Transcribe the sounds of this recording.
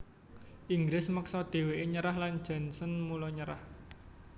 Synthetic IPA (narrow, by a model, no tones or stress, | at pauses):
ʔiŋɡɾɪsməksɔd̪̥e̤weʔeɲəɾahlan̥d͡ʒ̥a̤nsənmulɔɲəɾa̰h